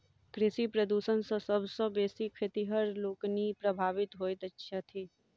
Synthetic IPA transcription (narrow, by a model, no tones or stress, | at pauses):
kɾɪsipɾəd̪uːsənsɐ̃sɐbsɔ̃beːsikʰet̪iɦəɾloːknipɾɐbʱaːʋɪt̪ɦoːjt̪ɐtːʃʰat̪ʰiː